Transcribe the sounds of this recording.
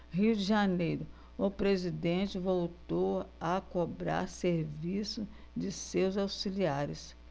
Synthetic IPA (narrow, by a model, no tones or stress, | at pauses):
ɦiwd͡ʒɪʒɐnejɾʊ | ʊpɾezid̪ẽt͡ʃɪvowt̪owakobɾa̰ɾseɾvisʊ | d͡ʒɪsewzawsiliaɾɪs